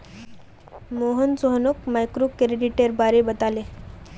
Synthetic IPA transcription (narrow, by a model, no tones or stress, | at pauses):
moɦənsoɦnokmajkɾokɾeɖiʈeɾbaɾebət̪ale